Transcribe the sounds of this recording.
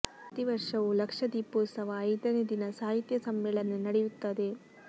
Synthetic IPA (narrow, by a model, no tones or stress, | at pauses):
ɐt̪iʋɐɾʂɐʋulɐkʂɐd̪iːpoːsɐʋɐːjd̪ɐneːd̪inɐsaːɦit̪jɐsɐmbɛɭɐnenɐɽejut̪ːɐd̪e̞